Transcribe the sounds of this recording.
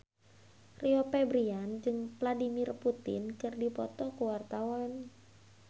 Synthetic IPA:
riopɛbɾiand͡ʒɨŋpladimirput̪ɪ̰nkɨrdipɔt̪ɔkəwart̪awan

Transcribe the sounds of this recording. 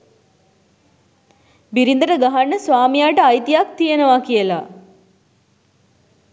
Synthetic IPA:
biɾind̪əʈəɡaɦanːəsʋaːmijaːʈəajt̪ijak̚t̪ijenəʋakijəla

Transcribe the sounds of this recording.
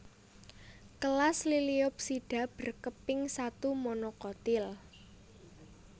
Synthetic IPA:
kəlasliliʊp̚siɖ̥a̤b̥ə̤rkəpɪŋsat̪umonokɔt̪ɪl

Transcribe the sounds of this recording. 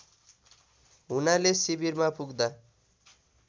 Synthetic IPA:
ɦunalesibirmapuɡd̪a

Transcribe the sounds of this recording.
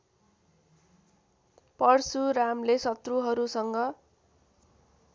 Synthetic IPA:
pʌrsuɾamlesʌt̪ruɦʌɾusʌŋɡʌ

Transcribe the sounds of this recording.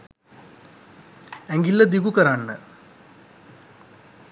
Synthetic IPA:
æŋɡilːəd̪ikukəɾanːə̰

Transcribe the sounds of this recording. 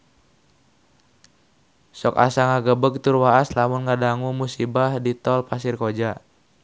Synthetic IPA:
sɔka̰saŋaɡəbəɡ̚t̪urwaaslamunŋadaŋumusibahdit̪ɔlpasirkod͡ʒa

